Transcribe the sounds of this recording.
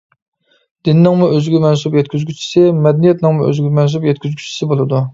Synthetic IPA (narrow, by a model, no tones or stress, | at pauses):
d̪̥ɪnɪnɪŋmuøzɡʲimɛnsupjɛt̪̚kʲyzɡʲyt͡ʃʰi̥sɪmɛd̪ɛnijɛt̪nɪŋmuʔø̰zɡʲmɛns̬upjɛt̪̚kʲyzɡʲʰy̥t͡ʃʰːi̥sɪbolˠɨd̪u